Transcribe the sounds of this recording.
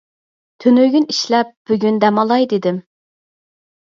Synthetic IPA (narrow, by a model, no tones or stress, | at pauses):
t̪ʰønøɡʲyniʃlɛp̚b̥yɡʲynd̪ɛmɑlˠɑjd̪ɪd̪ɪm